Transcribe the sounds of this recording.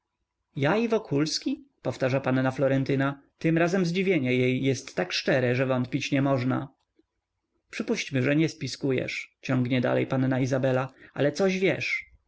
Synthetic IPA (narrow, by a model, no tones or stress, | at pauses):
jaivɔkʰulskʲipɔft̪aʐapanːaflɔɾɛnt̪ɘnat̪ɘmɾazɛmzd͡ʑivʲjeɲɛjejːɛst̪ːakʂt͡ʂɛɾɛʐɛvɔnt̪pʲit͡ɕɲɛmɔʐna̰ | pʂɘpuɕt͡ɕmɘʐɛɲɛspʲiskujɛ̰ʂt͡ɕɔ̃ŋɡɲɛd̪a̰lɛ̰jpanːaizabɛlaʔa̰lɛt̪sɔʑvʲjɛʂ